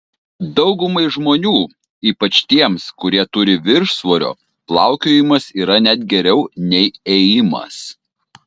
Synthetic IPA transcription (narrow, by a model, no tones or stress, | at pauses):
d̪ɒʊɡʊmɐɪʒmoːnʲuː | iːpɐt͡ʃt̪ʲiɛmskʊɾʲiɛt̪ʊɾʲɪʋʲɪɾʃsʋoːɾʲo̰ː | plˠɑˑʊkʲoːjɪmɐsiːɾɐnʲɛd̪̚ɡʲɛɾʲɛʊnʲɛɪɛjɪmɐ̰s